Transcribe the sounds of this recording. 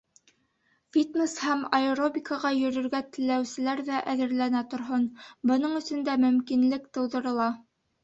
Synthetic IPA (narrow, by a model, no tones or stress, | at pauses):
fʲit̪neshæmɐɾobʲikɑʁɑjɵ̆ɾɵ̆ɾɡæt̪ɘ̆lːæwsɘ̆læɾðæʔæðɘ̆ɾlænæt̪ŏɾɦonbɤ̆n̪ɤɴɵ̆sɵ̆nd̪æmɵ̆mkinlɘkt̪ɤ̆wðɤ̆ɾɤ̆lˠɑ